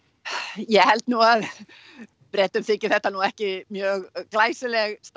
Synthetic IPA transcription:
jɛhɛlt̪nuɣað | pɾɛːt̪ʏmθɪːcɪ̥θɛht̪ːanuɛhcɪmjœːɣklaːjsɪlɛɣst̪

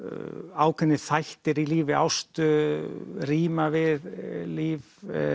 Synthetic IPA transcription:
awkʰɛnːɪθajht̪ɪɾiliːvɪa̰wst̪ʏ | riːmavɪðliːv

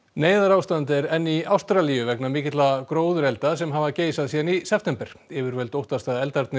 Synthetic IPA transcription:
neːjðaɾawst̪ant̪̬ɪɛɾɛnːiawst̪ɾalijʏvɛknamɪːcɪt̪lakɾoːwðʏɾɛlt̪asɛmɦavaceːjsaðsiːðanisɛpfʰt̪ɛmpɛɾ̥ɛvɪɾvɛlt̪owht̪ast̪aðɛlt̪aɾt̪nɪ

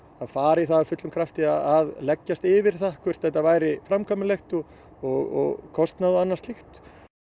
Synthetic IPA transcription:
aðfaːɾɪiθaðafʏt̪lʏmkʰɾaft̪ɪaðaðlɛcːast̪ɪvɪɾ̥θahkʰvɛɾ̥t̪θɛht̪ːavaːjɾɪfɾamkʰamʏlext̪ʏ | ɔɣɔ̰ɣkʰɔst̪naðʏanːast̪lixt̪

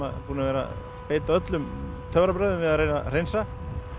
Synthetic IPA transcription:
a̰ðpuːnavɛːɾa̰ | peːjt̪aœt̪lʏm | t̪ʰœvɾapɾœːɥðʏmvɪðaðɾeːjna̰r̥ejnsa

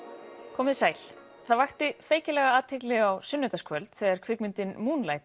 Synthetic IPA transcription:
kʰɔːmɪðsaːjl̥ | θaðvajxt̪ɪfeːjcɪlɛɣaaːt̪ʰɪklɪɣawsʏnːʏt̪askʰvœlt̪θɛːɣaɾ̥kʰv̥ɪkmʏnt̪ɪnmuːnlaːjt̪

